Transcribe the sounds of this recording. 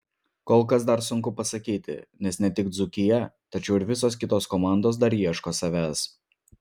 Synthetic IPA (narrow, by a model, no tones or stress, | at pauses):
koːlˠkɐs̬d̪ɐɾsʊŋkʊpɐsɐkʲiːt̪ʲɪ̰nʲɛsnʲɛt̪ʲɪɡd̪zʊkʲɪjɛt̪ɐt͡ʃʲɛʊɪɾʋʲɪsoːskʲɪt̪oːskɔmɑˑnd̪oːs̬d̪ɐɾiɛʃkoːsɐʋʲæːs